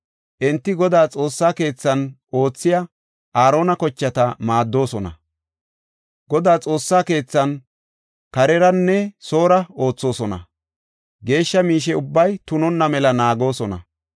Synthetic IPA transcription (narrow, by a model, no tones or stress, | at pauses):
ʔɛnt̪ːɪɡɔd̪aːt͡sʼo̞ːsːaːke̞ːt͡sːɐn | o̞ːt͡sːɪjɐ | ʔaːɾo̞ːnɐkɔt͡ʃːɐt̪ɐmaːd̪ːo̞ːsɔnɐ̰ | ɡɔd̪aːt͡sʼo̞ːsːaːke̞ːt͡sːɐn | kɐɾɛɾɐnːɛso̞ːɾɐo̞ːt͡sːo̞ːsɔnɐ̰ | ɡe̞ːʃːɐmiːʃ̬ɛʊbːɐjt̪ʊnɔnːɐmɛlɐnaːɡo̞ːsɔnɐ̰